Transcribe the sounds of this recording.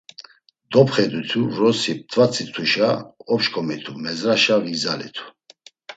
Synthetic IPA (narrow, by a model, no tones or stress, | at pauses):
d̪̥ɔpχɛd̪ut̪ʰuɾɔsip̚t̪ʰʼvat͡sʰit̪ʰuʃaɔpʃkʰɔmit̪ʰumɛzɾaʃavizalɛ̰t̪ʰu̥